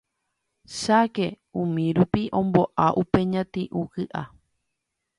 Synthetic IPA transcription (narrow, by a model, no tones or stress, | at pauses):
ʃake̞ | ũmĩɾupiʔõ̞mbo̞ʔaʔupe̞ɲãt̪ĩʔũkɨʔa